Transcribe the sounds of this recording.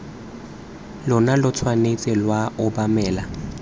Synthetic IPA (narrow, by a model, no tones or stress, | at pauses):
lʊnalʊt͡sʰwanet͡sʼɪlwaʔʊbamɛːla